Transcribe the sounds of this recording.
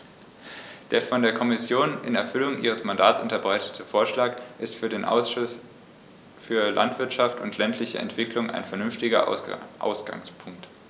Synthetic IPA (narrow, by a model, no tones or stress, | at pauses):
d̥eːɐfɔndeːɐkʰɔmɪsjoːnʔɪnɛɐfʏlʊŋʔiːʁ̞əsmandaːtt͡sʔʊntɐbʁaɪtə̥tʰəfoːɐʃlaːkʔɪstfyːɐdeːnʔa̰ | fyːɐlʔa̰ntv̥ɪɐtʃaftʰʊ̰ntʰlɛntʰlɪçə̰ɛ̰ntv̥ɪklʊŋʔa̰ɪnfɛɐnʏnftɪɡɐ̰ʔa̰ʊsɡ̥a̰ŋspʰʊŋkt